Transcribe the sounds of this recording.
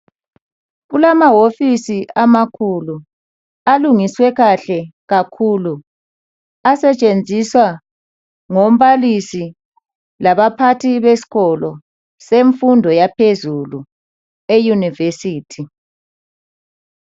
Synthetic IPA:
ɣulamawofisiʔamakʰulu | aluŋiswɛɣaɬɛɣakʰuːlu | asɛt͡ʃʼend͡zʱiswa | ŋom̩βalisi | laβapʰatʰiβesi̥ɣɔlɔ | seɱfundʱɔjapʰezulu | ejunivesiːtʰi

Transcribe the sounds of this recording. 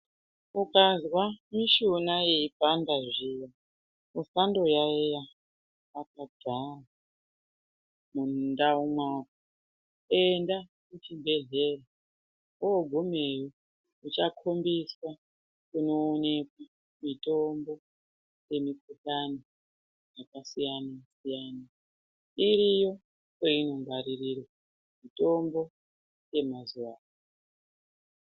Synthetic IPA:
ukʼazwamiʃunajeib̥ʱandaʐija | usandojaeja | akad̥ʱara | mundaumwaːko | endakut͡ʃimbeɮera | oɡʱumejo | ut͡ʃakʰombiswa | kuno̞ːne̞kwa | mitʼo̞mbo̞ | je̞mikutano | jakasijanasijana | iɾijo̞ | koino̞mbaɾiriɾwe | mito̞mbo̞ | je̞mazuwaː

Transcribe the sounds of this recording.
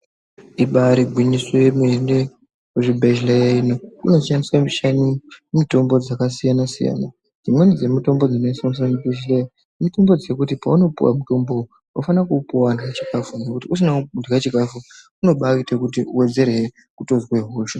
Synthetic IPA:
iɓaɾiɡʱwiɲiswejemuende | kuʐibʱeʒilejaino̞kuno̞ʃandiswaiʃanimito̞mbo̞d͡zakasijanasija̰na | d͡zimwenid͡ze̞mito̞mbo̞d͡zino̞isonis̬amibʱeʒileja | mito̞mbo̞d͡zekutipauno̞pṵwa̰muto̞mbo̞ | wofanakupuwandɡat͡ʃi̥kafunekutius̬inaundɡat͡ʃikafu | uno̞ɓakitekutiuwe̞d͡ze̞ɾe | kuto̞zweɦoːʃo

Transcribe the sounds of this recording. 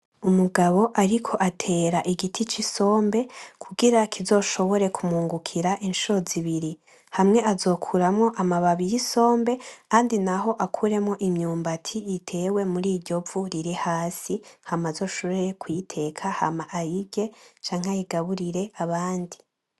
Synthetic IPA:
umuɡaβo̞ʔaɾikʰo̞ʔatʰe̞ːɾaʔiɡitʰit͡ʃiso̞ːmbe̞kʰuɡiɾakʰizo̞ːʃo̞βo̞ɾe̞kʰumuːŋɡukʰiɾaʔinʃoziβiɾi | hamŋe̞ʔazo̞ːkʰuɾamŋo̞ʔamaβaβijiso̞ːmbe̞kaːndinaɦo̞ʔakʰuːɾe̞mŋo̞ʔimɲuːmbatʰijitʰe̞we̞muɾiːɾɟo̞vuɾiɾihaːsihamazo̞ːʃoβeekwitʰe̞ːkʰaha̰maʔajibɟe̞t͡ʃaːŋ̥hajiɡaβuɾiɾe̞ʔaβaːndi

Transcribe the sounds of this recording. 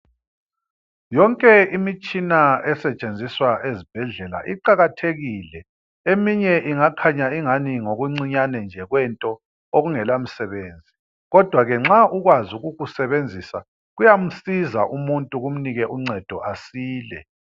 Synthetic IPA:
jɔŋkʼɛimit͡ʃʼinaɛsɛt͡ʃʼend͡zʱiswaʔezib̥ʱɛɮɛla̰ʔiǃaɣatʰeɣiːlɛ | emiɲɛʔiŋakʰaɲaiŋaniŋoɣuŋ͡ǀiɲanɛnd͡ʒʱɛɣwɛntʼɔ | oɣuŋɛlam̩sɛβeːnd͡zʱi | ɣɔd̥ʱwaɣɛŋ͡ǁaʔuɣwazuɣuɣusɛβend͡zʱisa̰ | ɣujam̩sizaʔumuntʼuɣum̩niɣɛʔuŋ͡ǀɛd̥ʱɔʔasiːlɛ̰

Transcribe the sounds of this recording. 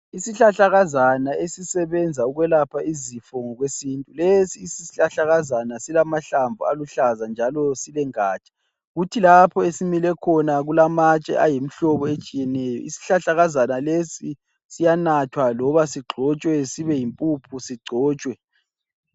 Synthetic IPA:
isiɬaɬaɣazanaesisɛβɛnd͡zʱauɣwɛlapʰaizifɔŋɔɣwesintʼulesiːsiɬaɬaɣazanasilamaɬaɱvualuɬazand͡ʒʱalɔsilɛŋaːt͡ʃʼḁ | ɣutʰilapʰɔesimilɛkʰɔnaɣulamat͡ʃʼɛ̰ʔajem̩ɬɔβɔet͡ʃʼijɛnɛːjɔ̰ḭsi̥ɬaɬaɣazanalesi | sijanatʰwalɔβasiɡ͡ǃʱɔt͡ʃʼwɛsiβɛjimpʼupʰusiɡ͡ǀʱɔːt͡ʃʼwɛ

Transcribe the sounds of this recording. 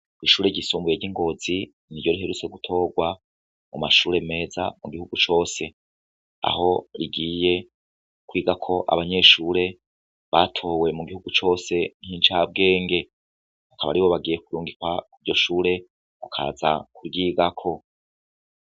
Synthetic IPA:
iʃuːɾe̞ɟisuːmbuje̞ɟiŋɡo̞zi | niɾɟo̞ɾiɦe̞ɾut͡se̞ɡutʰo̞ːɡwa | mumaʃuːɾe̞me̞ːza̰muɡihuɡut͡ʃo̞ːse̞ | a̰ho̞ɾiɡiːje̞ | kwiːɡakʰo̞ʔa̰βaɲe̞ʃuːɾe̞ | βatʰo̞ːwe̞muɡihuɡut͡ʃo̞ːse̞nhint͡ʃab̚ɡe̞ːŋɡe̞ | akaβa̰ɾiwoβaɡiːje̞kuɾuːŋɡikwakuɾɟo̞ʃuːɾe̞ | kukʰa̰ːza̰kuɾɡiːɡakʰo̞

